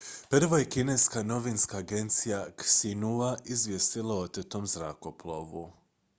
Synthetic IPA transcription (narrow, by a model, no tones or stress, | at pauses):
pr̩ʋoje̞kine̞skano̞ʋinskaːɡe̞nt̪sijaksinuaʔizʋjest̪ilˠaot̪et̪omzɾako̞plˠo̞̰ʋu